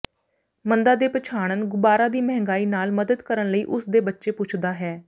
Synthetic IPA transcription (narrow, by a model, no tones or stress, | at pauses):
mənd̪aːd̪eːpət͡ʃʰaːɽ̃ənɡʊbaːɾaːd̪iːmɛɦŋɡaːiːnaːlməd̪əd̪kəɾəɳləiːʔʊsd̪eːbətːʃeːpʊt͡ʃʰd̪aːɦɛː